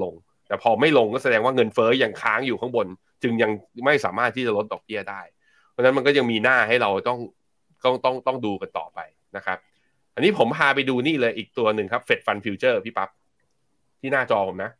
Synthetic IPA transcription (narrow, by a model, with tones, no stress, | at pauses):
lo˧ŋ | t̪ɛː˨˩pʰɔː˧ma˥˩jlo˧ŋkɔː˥˩sa˧dɛː˧ŋwaː˥˩ŋɤ˧nfɤː˦˥ja˧ŋkʰaː˦˥ŋjuː˨˩kʰa˦˥ŋbo˧n | t͡ɕɯ˧ŋja˧ŋma˥˩jsaː˩˦maː˥˩t̪ʰiː˥˩t͡ɕa˨˩lo˦˥t̪̚dɔː˨˩k̚bi˥˩ɐdaː˥˩jʰ | ɔ˧˥na˦˥ma˧nkɔ˥˩ja˧ŋmiː˧naː˥˩ha˥˩jɾa˧wt̪ɔ˥˩ŋ | t̪ɔ˥˩ŋt̪ɔ˥˩ŋt̪ɔ˥˩ŋduː˧ka˧nt̪ɔ̰ː˨˩pa˧j | na˦˥kʰa˦˥p̚ | ʔa˧niː˦˥pʰo˩˦mpʰaː˧pa˧jduː˧niː˥˩lɤː˧jʔiː˨˩k̚t̪u˧ɐnɯ˨˩ŋkʰa˦˥p̚fe˨˩t̪̚fa˧npʰiː˧wt͡ɕɤː˥˩pʰiː˥˩pa˦˥p̚ | tʰiː˥˩naː˥˩t͡ɕɔː˧pʰo˩˦na˦˥